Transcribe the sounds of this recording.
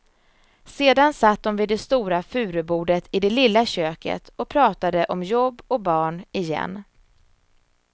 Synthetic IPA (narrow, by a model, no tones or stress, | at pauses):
seːd̪ansat̪̚ːd̪ɔnvɪd̪ɛst̪uːɾafʉ̟ːɾəbuːɖət̪ʰɪd̪ɛlɪlːaɕøːkə̰t̪ɔpʰɾɑːt̪ad̪əʔɔmjɔbːɔk̚bɑːɳɪjɛ̰nː